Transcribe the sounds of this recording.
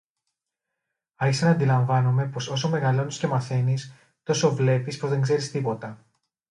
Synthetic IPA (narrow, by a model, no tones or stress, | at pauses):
ɐɾçisenɐːnd̪ilɐɱvɐnome̞po̞so̞so̞meɣɐlo̞nisce̞mɐθe̞nis | t̪o̞so̞vle̞pispoðe̞ŋɡze̞ɾist̪ipo̞t̪ɐ